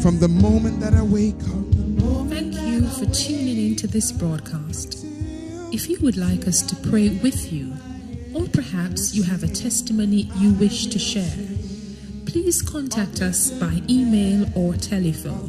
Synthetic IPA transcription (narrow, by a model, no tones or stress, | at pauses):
fɹʌ̃mðəmõʊ̃mɨ̃nðɨɾəweɪkʰʌ̃mθæ̃ŋkʰjɨfə˞tʰʉnɪ̃ŋɪ̃ntʰʉðɪsb̥ɹɔd̚kʰæst | ɨfjɨwɨdˡlaɪkʌstʰɨpʰɹ̥eɪwɪðjɨ | ə˞pʰə˞hæpsjɨːvɨtʰɛstɨmõʊ̃nijɨwɪʃtʰɨʃɛɹ | pʰl̥iz̥kʰɑ̃ntʰæk̚tʰʌsb̥aɪʔimeɪlˠə˞tʰɛlˠɨfõ̰ʊ̃n